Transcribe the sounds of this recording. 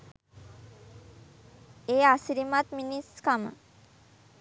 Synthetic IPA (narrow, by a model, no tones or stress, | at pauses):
easiɾimat̪miniskamə̰